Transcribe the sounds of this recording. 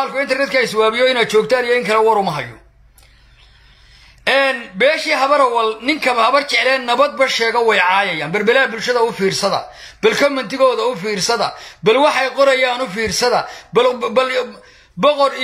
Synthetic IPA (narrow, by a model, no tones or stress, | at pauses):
aːlkʰʊɪnt̪ɛrnɛd̪kʰɐɪswaːβɪjɔɪnaːd̪̚t͡ʃɔːɡ̚t̪ʰaːnijɔɪŋkʰɐlɛwɐɾʊmɐɦɐjːɔ̰ | ʔɛːnbɛːʃiːɦɐβɐɾɐwɐlnɪŋkʰɐβɐhɐβɐrt͡ʃʰɛʕlɛːnːɐβɐd̪̚bɐʃɛːɣɐwɛjʕɑːjɐjaːnbɐrbɐlabʊlʃɐðɐʊfiːrsɐðɐ̰ | b̥ɐlkʰɔmɛnt̪ʰɪɣɔːðɐʊfiːrsɐðɐ̰bɐlwɑħɑjqɔɾɐjaːnʊfiːrsɐðɐbl | bɔqɔɾ